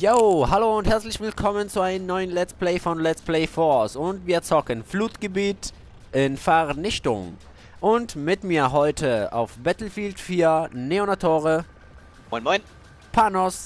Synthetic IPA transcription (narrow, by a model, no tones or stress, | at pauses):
joːhaloːʊnthɛɐt͡slɪçv̥ɪlkʰɔmənt͡suaɪnənːɔʏənlɛt͡spleɪfɔnlɛt͡spleɪfɔsʊntviːɐt͡sɔkənfluːtɡ̥əbiːt | ʔɪnfɛʁnɪçtʊ̰ŋ | ʔʊntmɪtmiːɐɦɔʏtʰəa̰ʊfb̥ɛtl̩fiːltfyːɐneonatʰoːʁə | mɔɪnmɔɪn | pʰanɔs